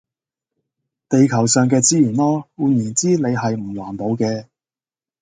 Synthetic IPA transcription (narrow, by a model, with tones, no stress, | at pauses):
t̪e˨jkʰɐ˨˩wsœː˨ŋk̬ɛː˧t͡siː˥jyː˨˩nlɔː˥wuː˨˧njyː˨˩nt͡siː˥le˨˧jɦɐ˨jm̩˨˩waː˨˩np̪o˨˧wkɛː˧